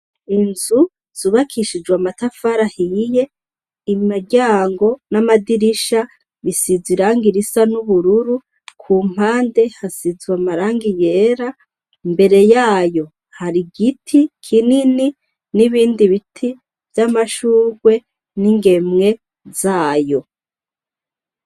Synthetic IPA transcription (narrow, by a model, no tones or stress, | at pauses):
inzu | z̥uβakʰiʃid͡ʒwamatafaɾahije̞ | imaɟaːŋɡo̞namadiɾiʃa | βisiziɾaːŋɡiɾisanuβuɾuɾu | kʰuːm̥haːnde̞hasizwamaɾaːŋɡije̞ːɾa | mbe̞ɾe̞jaːjo̞ | haɾiɡitʰikʰinini | niβiːndiβitʰi | vjamaʃuːɡwe̞ | niŋɡe̞mŋe̞ | zaːjo̞